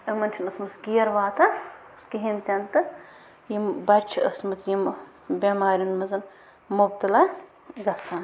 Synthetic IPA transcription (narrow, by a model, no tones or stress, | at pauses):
ɐmɐnʲt͡ʃʰinɐsmɐsɡiːɐɾʋaːt̪ɐ | kiɦint̪ʲɐnt̪ɨ | jimbɐt͡ʃʰiɐ̰smɨt̪ʰjim | bʲɐmaːɾʲunmɐzɐn | mubt̪ɐla | ɡɐsɐn